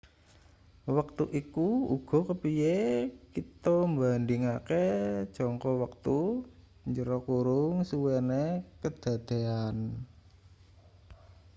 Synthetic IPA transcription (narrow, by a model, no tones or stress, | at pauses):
wək̚t̪uʔikuuɡ̥ɔ̤kəpijekit̪ɔmband̪ɪŋaked̥ʒ̥ɔŋkɔwək̚t̪u | ɲd͡ʒəɾɔkuɾʊŋsuwenekəd̪̥a̤d̪̥e̤an